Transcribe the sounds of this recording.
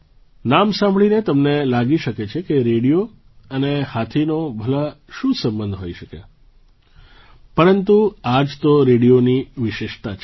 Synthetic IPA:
namsãmbɭinet̪əmnelaɡiʃəket͡ʃʰekeɾeɽijo | ənehat̪ʰinobʱəlaʃũsə̃mbənd̪ʱɦojiʃəkḛ | pəɾənt̪uad͡ʒt̪oɾeɽijoniʋɪʃeʃt̪at͡ʃʰ

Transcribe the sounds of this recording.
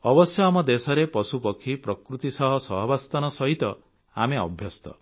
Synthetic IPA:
ɔbɔsjɔamɔd̪esɔɾepɔsupɔkʰipɾɔkɾut̪isɔɦɔsɔɦɔbast̪ɔnɔsɔɦit̪ɔ | a̰meɔ̰bʱjɔst̪ɔ̰

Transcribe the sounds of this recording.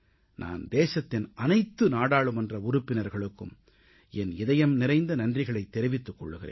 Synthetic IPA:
nʔa̰ːnd̪eːsɐt̪ːɪnʔɐnɐɪt̪ːɯnaːɽaːɭɯmɛndrɐʊɾʊpːɪnɐɾɣɐɭɯkːɯm | ɛnɪðɐjɐmnɪɾɐɪnd̪ɐnɐndrɪɣɐɭɐɪt̪ːɛɾɪʋɪt̪ːɯkːɔɭːɯɣɪ̰rḛː

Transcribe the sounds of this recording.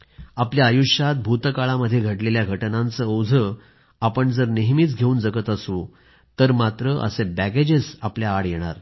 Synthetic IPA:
apljaːjuʂjat̪̚bʱut̪kaɭaməd̪ʱːjeɡʱəʈleljaɡʱəʈnãnt͡səːwd͡zʱə | apəɳd͡zəɾneɦmiːt͡sɡʱeuːnd͡zəɡət̪əsu | t̪əɾmat̪ɾəʔə̰sebæɡed͡ʑesapljaːɽjɛɽ̃a̰ɾ

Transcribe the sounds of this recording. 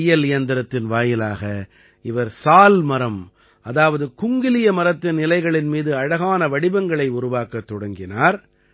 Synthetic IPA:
jɐlɪjɐnd̪ɪɾɐt̪ːɪnʋaːjɪlaːɣɐ | ɪʋɐɾsaːlmɐɾɐm | ɐðaːʋɐðɯkʊŋɡɪlɪjɐmɐɾɐt̪ːɐnɪlɐɪɣɐɭɪnmiːðɯɐɻɐɣaːnɐʋɐɽɪbɐŋɡɐɭɐɪʊɾʊʋaːkɐt̪ːɔɽɐŋɡɪnaːɾ

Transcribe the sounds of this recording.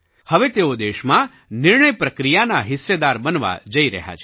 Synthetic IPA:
həʋet̪eod̪eʃmã | nɪɾɳəjpɾəkɾijanaɦɪsːed̪aɾbənʋa̰d͡ʒəiɾə̰ɦja̰t͡ʃʰ

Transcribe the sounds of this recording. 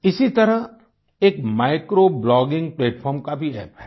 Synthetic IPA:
ɪsit̪ɐɾə | eːkmaːɪkɾoblɔːɡɪ̃ŋɡ̚pleːʈfʰɔːɾmkabʱiɛːpɦɛː

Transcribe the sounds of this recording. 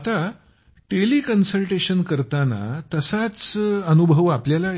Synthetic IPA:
t̪a | ʈelikənsəlʈeɕənkəɾt̪ana̰t̪əsat͡sənubʱəʋapljala

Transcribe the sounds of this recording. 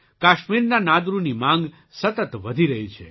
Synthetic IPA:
kaʃmiɾnanad̪ɾunimãŋɡ | sət̪ət̪ʋəd̪ʱiɾəɦit͡ʃʰḛ

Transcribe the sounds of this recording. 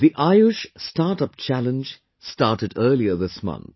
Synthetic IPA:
ðiʔaɪʊʃstaːʈʌp̚t͡ʃælə̃nd͡ʒ | staːʈɨɖɜːliəðɪsmʌ̰̃nt̪

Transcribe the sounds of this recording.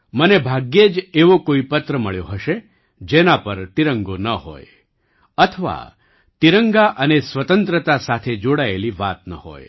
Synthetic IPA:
mənebʱaɡjed͡ʒeʋokoipət̪ɾəməɭjoɦəʃe | d͡ʒenapəɾt̪iɾəŋɡonəɦo̰j | ət̪ʰəʋa̰ | t̪iɾəŋɡaʔənesʋət̪ənt̪ɾət̪asat̪ʰed͡ʒoɽaeliʋat̪̚nə̰ho̰j

